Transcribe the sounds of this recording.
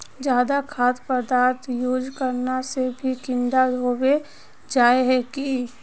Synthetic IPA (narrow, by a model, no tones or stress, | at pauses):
d͡ʒjaːd̪akʰaːt̪pəd̪aːɾt̪joːd͡ʒkəɾnasebʱikɪ̃ɳɖaoːbe | d͡ʒaːeɦɛki